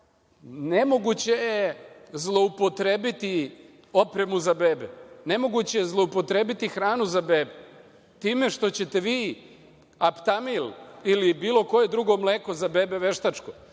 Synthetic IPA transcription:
ne̞mo̞ɡut͡ɕejezlˠo̞upo̞t̪ɾeːbit̪i | o̞pɾe̞muzabe̞ːbene̞mo̞ɡut͡ɕejezlˠoupo̞t̪ɾe̞ːbit̪ixɾaːnuzabe̞ːbe | t̪iːme̞ʃt̪o̞t͡ɕe̞t̪e̞ʋiː | apt̪amililibiːlˠo̞ko̞je̞d̪ɾuɡo̞mleːko̞zabeːbe̞ʋe̞ʃt̪at͡ʃko̞

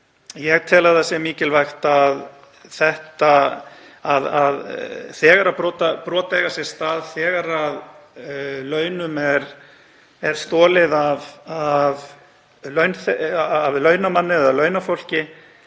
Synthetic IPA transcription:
jɛɣt̪ʰɛːlaðasjɛmiːcɪlvajxt̪að | θɛht̪a | aðaðθɛːɣaɾapɾɔːt̪apɾɔːt̪eɣasjɛst̪aːðθɛːɣaɾað | lœːɥnʏmɛɾ | ɛɾ̥st̪ɔːlɪðavav | lœɥnθavlœɥnamanːɪðalœːɥnafowl̥cɪ

